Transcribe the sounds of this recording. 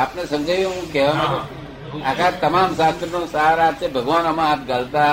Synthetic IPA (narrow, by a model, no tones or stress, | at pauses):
aːpnesə̃md͡ʒʱajũɦũkɛʋanuə | akat̪ɐmamʃast̪ɾənõsaɦaɾat̪sebʱəɡʋanəmãːp̚ɡəlt̪a